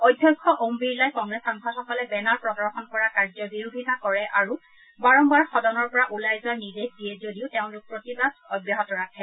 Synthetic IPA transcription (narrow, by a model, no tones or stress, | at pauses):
ojdʱːjɔkʰːɔʔombiɹlajkɔŋɡɹesaŋkʰɔxɔkɔlɛbɛnaɹpɹɔdɔɹxɔnkɔɹakaɹzɔbiɹubʱitakɔɹɛʔaɹu | baɹɔmbaɹxɔdɔnɔɹpɔɹaʔulajzɔnidexdijɛzodiʊtɛʊ̃nlʊk̚pɹotibadɔbjaɦɔtɔɹatʰɛ